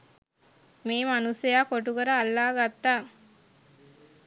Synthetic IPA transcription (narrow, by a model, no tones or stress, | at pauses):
meːmanusejaːkoʈukəɾəalːaːɡat̪ːaː